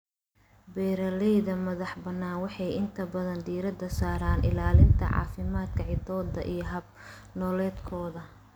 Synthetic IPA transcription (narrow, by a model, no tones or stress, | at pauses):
bɛːɾɐlɛjðɐmɐðɑħbɐnːaːnwɑħɑjɪnt̪ʰɐbɐðɐnd̪iːɾɐd̪ɐsaːɾaːnʔɪ̰laːlɪnt̪ʰɐ̰ʕɑ̰ːfɪmaːd̪kʰɐʕɪd̪ɔːd̪ɐ̰ʔijɞɦɐb̚ | nɔːlɛːd̪kʰɔːðɐ